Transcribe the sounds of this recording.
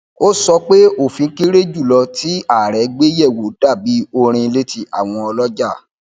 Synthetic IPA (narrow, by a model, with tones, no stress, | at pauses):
o˦sɔ˧k͡pe˦o˦˨fĩ˧˦ki˦ɾe˦d͡ʒu˦˨lɔ˧ti˦a˦˨ɾɛ˨˦ɡ͡be˦jɛ˦˨wo˨˦d̥a˦˨bi˨˦o˧ɾ̃ĩ˧le˦ti˧˦a˦˨w̃ɔ̃˧ɔ˧lɔ˦d͡ʒa˦˨